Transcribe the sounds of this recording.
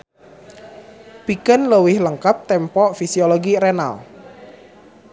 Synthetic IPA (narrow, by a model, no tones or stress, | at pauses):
pikənləwɪhləŋkap̚t̪ɛmpɔʔfisiolɔɡiɾɛna̰l